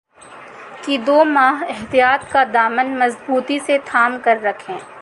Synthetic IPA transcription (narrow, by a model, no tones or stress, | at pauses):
kid̪oːmaːɦɪɦt̪ijaːt̪kad̪aːmənmɐzbuːt̪iset̪ʰaːmkɐɾːɐkʰẽː